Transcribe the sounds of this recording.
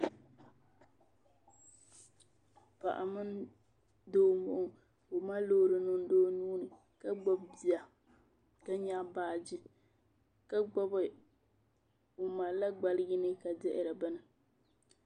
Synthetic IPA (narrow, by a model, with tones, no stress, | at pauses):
pa˨ʔa̰˨mɨ˦n | doː˦mʊ˦ʔʊ˦ŋ | ʊ˨ma˦lo˦ɾɨ˨nʊ˦n˦doː˦nuː˦nɨ˨ | ka˦ɡ͡bɔ˦bbi˨a˨ | ka˦ɲa˦baː˦˨d͡ʒɪ˦ | ka˦ɡ͡bɔ˦bɨ˨ | ʊ˨ma˨la˦ɡ͡ba˨lɪ˦ɡɪ˦nɨ˦ka˨dɛ˦ʔɪ˨ɾa˨bɨ˦nɨ˨